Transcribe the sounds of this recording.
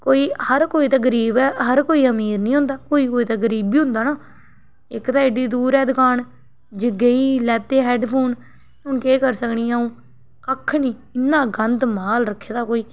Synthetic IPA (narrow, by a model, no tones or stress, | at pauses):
koːiːhəɾkoːiːt̪aːɡəɾiːbɛːɦəɾkoːiːəmiːɾnĩːɦʊ̃nd̪aːkoːiːkoːiːt̪aːɡəɾiːbiːɦʊ̃nd̪aːnaː | ɪkt̪aːeːɖiːd̪uːɾɛːd̪ʊkʰaːɳ | d͡ʒɪɡeiːlɛːt̪eːɦɛːɖpʰoːn | ɦʊnkeːkəɾsəkɳiːaːũː | kəkʰːnĩːɪnːãːɡənd̪maːlɾəkʰːeːd̪aːkoːiː